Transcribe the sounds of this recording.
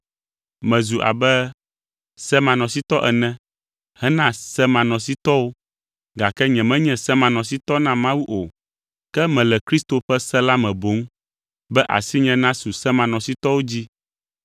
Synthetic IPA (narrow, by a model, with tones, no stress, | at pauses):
mɛ̃˨zu˨ʔa̰˨bɛ˦ | sɛ˦mã˨nɔ̃˨si˦t̪ɔ˦ʔɛ˨nɛ̃˦ | hɛ˦nã˦sɛ˦mã˨nɔ̃˨si˦t̪ɔ˦wo˦ | ɡa˨kɛ˦ɲɛ̃˨mɛ̃˦ɲɛ̃˨sɛ˦mã˨nɔ̃˨s̬i˦t̪ɔ˦nã˦mã˦wu˦ʔo˨ | kɛ˦mɛ̃˨lɛ˨kɾi˦st̪o˨ɸɛ˦sɛ˦la˦mɛ̃˨bo˨˦ŋ˦ | bɛ˦ʔa̰˨si˦ɲɛ̃˦nã˦su˨sɛ˦mã˨nɔ̃˨si˦t̪ɔ˦wo˦d͡ʑi˦